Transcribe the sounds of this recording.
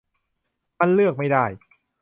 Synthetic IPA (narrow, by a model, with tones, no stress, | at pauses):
ma˧nlɯ˥˩ək̚ma˥˩jdaː˥˩j